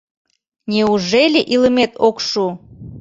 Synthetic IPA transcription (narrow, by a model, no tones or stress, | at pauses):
nʲeuʒelʲeʔiləmet̪ʰokʃu